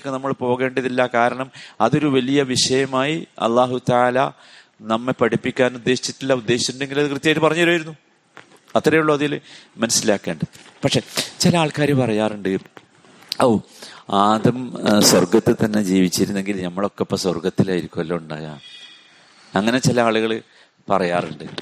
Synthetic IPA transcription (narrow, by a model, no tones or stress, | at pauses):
kːɨnɐmːɐɭpo̞ːɣe̞ːɳɖiðilːɐkaːɾɐɳɐmɐðo̞ɾuʋɐlijɐʋiʂɐjɐmaːjiɐ̰lˠːaːɦut̪ɐaːlɐ | nɐmːepɐʈipːikʲːaːnud̪ːe̞ːɕi̥t͡ɕːi̥tːilːɐud̪ːeːɕi̥t͡ɕːuɳɖe̞ŋɡilɐðɨkrɨt̪ːjaːjʈːɨpɐrɐɲːɐɾaːjiɾunːu | ɐt̪ːrɐjuɭːɐɐðiilmɐnɐsilaːkːe̞ːɳɖɨpɐʈʂet͡ɕilɐaːɭkaːɾjɐpɐrɐjaːruɳɖɨ | ɐw | aːd̪ɐmswɐrɡɐt̪ːɨt̪ɐnːe̞d͡ʑiːʋit͡ɕːiɾunːe̞ŋɡilnɐmːɐɭo̞kːeopːɐswɐrɡɐt̪ːilaːjiɾikʲːuʋɐlːouɳɖa̰ːja̰ː | ɐŋːɐne̞t͡ɕilɐaːɭuɣɐɭ | pɐrɐjaːrɨɳɖɨ